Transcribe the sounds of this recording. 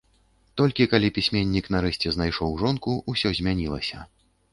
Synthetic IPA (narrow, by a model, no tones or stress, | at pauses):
t̪ɔlʲkʲikalʲipʲisʲmʲenʲːiknaɾɛsʲt͡sʲɛznajʂɔwʐɔnkuusʲɔzʲmʲanʲilˠɐ̰sʲɐ